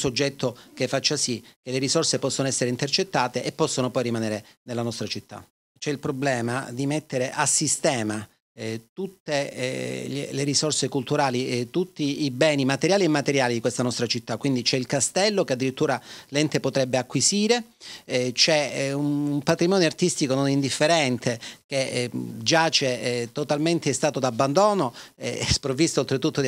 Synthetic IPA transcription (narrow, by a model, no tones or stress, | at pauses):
sod͡ʒːɛt̪ːok̟efːat͡ʃːasik̟eleɾisorsepɔsːonoɛsːeɾeint̪ert͡ʃet̪ːaːt̪eʔepːɔsːonopɔjrimanɛːɾenelːanɔst̪ɾat͡ʃit̪ːa̰ | t͡ʃɛilpɾoblɛːma̰d̪imet̪ːeɾeʔasːist̪ɛːma | t̪ut̪ːe | lḛleɾisorsekult̪uɾaːlit̪ut̪ːiːbɛːnimat̪eɾjaːliemːat̪eɾjaːlid̪ikwest̪anɔst̪ɾat͡ʃit̪ːakːwind̪it͡ʃɛilkast̪ɛlːokead̪ːiɾit̪ːuːɾalɛnt̪epot̪ɾɛbːeakːwisiːɾe | t͡ʃɛ | umpat̪ɾimɔːnjart̪ist̪ikononind̪ifːeɾɛnt̪ʰek̟ed͡ʒat͡ʃɛt̪ːot̪alment̪eɛst̪aːt̪od̪abːand̪oːnoɛ̰ɛspɾovːist̪olt̪ɾet̪ːut̪ːo